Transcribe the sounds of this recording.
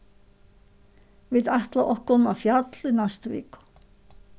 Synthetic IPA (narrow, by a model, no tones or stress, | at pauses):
viðaht̪laʔɔhkɔnafjat̪linast̪vḭːkʊ̥